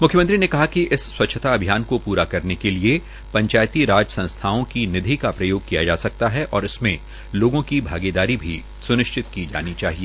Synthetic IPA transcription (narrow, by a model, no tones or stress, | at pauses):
mʊkʰjəmə̃nt̪ɾinekɐɦakiɪsːwɐtːʃʰət̪aɐbʱijaːnkopuːɾakɐɾnekelie | pɐ̃ɲt͡ʃaːjt̪iɾaːd͡ʒsɐ̃nst̪ʰaːõkinɪd̪ʱikapɾɐjoːɡ̚kija̰d͡ʒa̰ːsɐk̚t̪aɦɛʔɔːɾɪsmẽ | loːɡõkibʱaːɡed̪aːɾibʱi | sʊnɪʃt͡ʃʰɪt̪kid͡ʒa̰ːnit͡ʃaːɦieː